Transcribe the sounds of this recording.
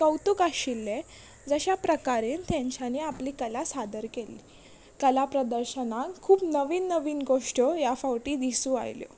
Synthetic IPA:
kəwt̪ukaɕilːe | d͡zəɕapɾəkaɾint̪ʰjãɲt͡ɕʰaniːapliːkəlasad̪əɾkeliː | kəlapɾəd̪əɾɕənãŋkʰːuːpnəʋiːnːəʋiːnɡoʂʈəjafawʈiːd̪isũːa̰jljo̰

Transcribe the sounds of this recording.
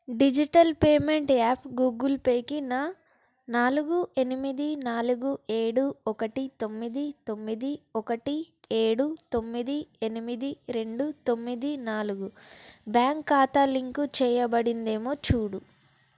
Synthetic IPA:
ɖid͡ʒiʈɐlpeːme̞ɳʈaːpʰɡuːɡulpeːkina | naːluɡue̞nimid̪inaːluɡue̞ːɽuɔkɐʈit̪o̞mːid̪it̪o̞mːid̪iɔkɐʈi | eːɽut̪o̞mːid̪ienimid̪iɾe̞ɳɖut̪o̞mːid̪inaːluɡubjaːŋkːaːt̪ɐliŋkut͡ʃɛːjɐbɐɽind̪e̞ːmoːt͡ʃuːɽu

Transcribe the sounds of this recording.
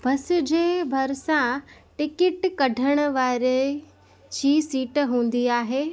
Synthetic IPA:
bɐsɪ̆d͡ʑeːbʱɐɾsãʈɪkɪʈkɐɖʱəɽ̃ə̆ʋaːɾe | d͡ʑʰiːsiːʈɦũːn̆d̪iaːɦeː

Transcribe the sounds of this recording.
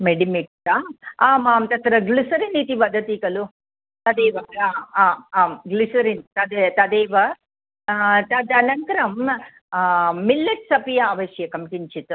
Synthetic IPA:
meɖimiʈsaaːmaːmt̪ɐt̪ɾɐɡlisɐɾinit̪iʋɐd̪ʱɐt̪ikɐlu | t̪ɐd̪eːʋɐaːaːaːmɡlisɐɾint̪ɐd̪et̪ɐd̪eːʋɐ | t̪ɐd̪ɐlɐŋkɐɾɐm | ilːɐʈsɐpijɐaːʋɐʃjɐkɐmʈiɲt͡ʃit̪u

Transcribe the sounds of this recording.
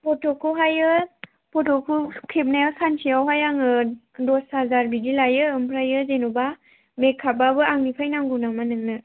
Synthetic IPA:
pʰɔtʰɔkʰuɦajɯ | pʰɔtʰɔkʰukʰep̚najawsansʰiawɦajaŋɯ | dɔsazaɾbidilajɯɯmpʰɾajɯzenuba | mekʰːababɯaŋnipʰajnaŋɡunamanɯŋnɯ

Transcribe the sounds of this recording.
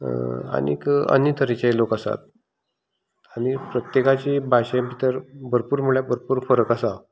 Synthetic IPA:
a̰nḭkə̰njət̪ʰəɾit͡ɕajlokəsa̰t̪̚ | aɽ̃ipɾət̪jekat͡ɕiːbʱaɕjbit̪əɾbəɾpuːɾm̤uɭjabʱəɾpuːɾfəɾəkasa

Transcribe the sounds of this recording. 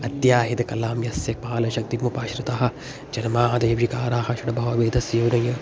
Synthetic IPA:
ɐt̪jaːɦid̪ɐkɐlaːmjɐsjɐk̚paːlɐʃɐk̚t̪imupaːʃɾɨt̪aːɦɐ̆ | d͡ʒɐnmaːɦɐd̪ɐjɐʋikaːɾaːɦɐʃɐɖɐbʱɐʋaːʋeːd̪ʱɐsjoːnɐjɐ

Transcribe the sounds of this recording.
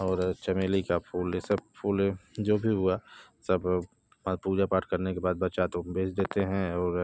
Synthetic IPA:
ɔːɾt͡ʃɐmeːlikapʰuːlesɐb̚pʰuːld͡ʒoːbʱiɦʊasɐb | puːd͡ʒapaːʈʰkɐɾnekebaːd̪̚bɐt͡ʃat̪obʱeːt͡ʃd̪eːt̪eɦɛ̃ɔːɾ

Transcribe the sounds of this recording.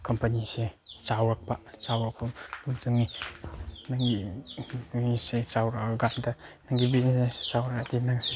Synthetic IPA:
kɐmpɐnisesawɾɐk̚pɐsawɾɐk̚pɐbudɐŋni | naŋɡi | isesawɾakaɡamdɐnaŋɡibinisessawɾakːdinaŋse

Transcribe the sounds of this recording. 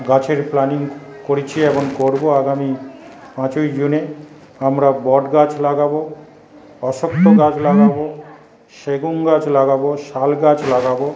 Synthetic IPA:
ɡat͡ɕʰeɾplaniŋkoɾit͡ɕʰieboŋkoɾboaɡami | pãt͡ɕojd͡ʑune | amɾabɔɖɡat͡ɕlaɡabo | ɔʃok̚t̪oɡat͡ɕlaɡabo | ʃeɡuŋɡat͡ɕlaɡaboʃalɡat͡ɕlaɡabo

